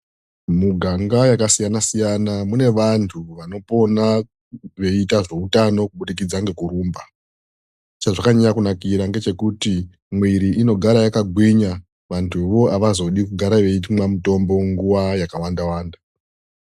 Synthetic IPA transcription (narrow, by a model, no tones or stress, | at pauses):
muɡʱaŋɡajakasijanasijanamune̞ʋantʰuʋano̞po̞na | ʋe̞itaʐe̞utano̞kuɓuɗik̬id͡zaŋɡe̞kuɾuːmba | t͡ʃaʐakaɲajakunakiɾaŋɡe̞t͡ʃe̞kuti | mwiɾiʔino̞ɡʱaɾajakaɡʱwiɲa | ʋantʰuʋoaʋazo̞ɗikuɡʱaɾaʋe̞itmwamuto̞mbo̞ŋɡuʋajakawandawaːnda